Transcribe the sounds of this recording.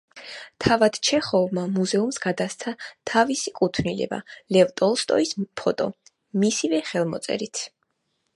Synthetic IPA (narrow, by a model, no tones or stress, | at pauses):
t̪ʰavad̪̥t͡ʃʰɛχɔvmamuzɛumsɡad̪ast̪sʰat̪ʰavisikʼut̪ʰvnilɛ̰ba̰lɛvt̪ʼɔlˠst̪ʼɔ̰ispʰɔt̪ʼɔ̰ | misivɛχɛlˠmɔ̰t̪sʼɛ̰ɾit̪ʰ